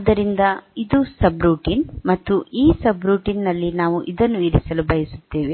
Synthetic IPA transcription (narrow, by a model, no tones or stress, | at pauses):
d̪ɐɾind̪ɐid̪usɐbɾuːʈiːnmɐt̪ːuiːsɐbɾuːʈiːnːɐlːinaːʋuʔid̪ɐnːuiɾisɐlubɐjisu̥t̪ːe̞ːʋe